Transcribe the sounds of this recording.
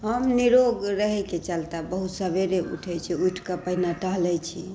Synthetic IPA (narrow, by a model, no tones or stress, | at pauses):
ɦəmniɾoɡɾəɦɛket͡ʃəlt̪abəɦut̪səbeɾeṵʈʰɛjt͡ʃʰiuʈʰkapəɦnaʈəɦlɛt͡ʃʰi